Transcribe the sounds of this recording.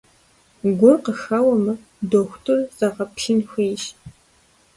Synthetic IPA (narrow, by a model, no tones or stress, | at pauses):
ɡʷʊrqəxɐwɐmɨ | doːxʷtʰʊrz̥ɐʁɐpɬinxʷeːʃ